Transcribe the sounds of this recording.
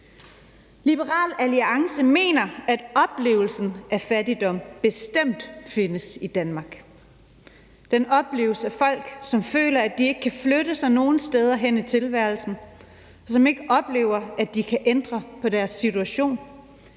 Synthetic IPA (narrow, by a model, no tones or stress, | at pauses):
lib̥əʁɑ̰̈ːlæliɑ̈ŋsəme̝̰ːnɐæd̥ɒ̽b̥le̝̰ːʊl̩sn̩æfædid̥ɒ̽m̰b̥e̝sd̥em̰d̥fe̝nəsid̥ænmɑ̈ɡ̥ | d̥enɒ̽b̥le̝̰ːʊlsəæfɒ̽l̰ɡ̥sɒ̽mfø̰ːlɐæd̥ie̝ɡ̥əkʰæfløɾəsɑ̈ɪno̝ːn̩sd̥eð̞ˠɐɦen̰it͡sʰe̝lʋæɐlsn̩ | ɒ̽sɒ̽me̝ɡ̥əʔɒ̽b̥le̝̰ːʊɐæd̥ikʰæʔend̥ʁɐpʰɒ̽dæɐsːit͡suæɕo̝̰ːn